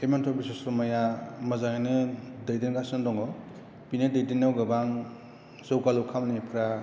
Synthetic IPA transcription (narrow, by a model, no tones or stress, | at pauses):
emantʰɔbisɔsɾɔmajamɐzaŋnɯdajdinɡasɯndɔŋɔ | pinedajdinːawɡabaŋ | zɯwkalukʰamnipʰɾa